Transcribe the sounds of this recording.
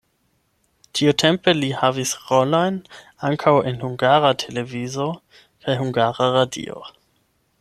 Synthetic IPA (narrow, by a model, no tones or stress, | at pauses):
tʰiutʰe̞mpe̞lihavisʁolo̞jn | aŋkʰawe̞nhuŋɡaɾatʰe̞le̞vizo̞ | kʰajɦuŋɡaɾaɾadḭo̰